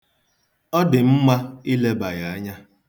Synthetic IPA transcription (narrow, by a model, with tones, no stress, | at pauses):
ɔ˦dɪ˨m̩˦ma˦i˦le˦ba˨ɣa˨a˦ɲa˦